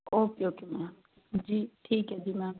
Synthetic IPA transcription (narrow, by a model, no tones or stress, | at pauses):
oːpjoːkimɛ̃ | d͡ʒiːʈʰiːkɦɛd͡ʒiːmɛ̃ː